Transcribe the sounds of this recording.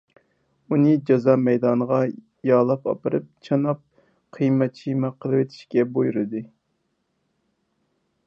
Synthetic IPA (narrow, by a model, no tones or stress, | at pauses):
unɨd͡ʒɑzɑmɛjd̪ɑnəʁɑ | jɑːlˠɑpɑ̰pɨɾɨp̚t͡ʃʰɑnɑp̚ | qʰɨjmɛt̪̚t͡ʃʰijmɛqʰəlˠɨwet̪ʰi̥ʃkʲɛbojuɾɨd̪ɨ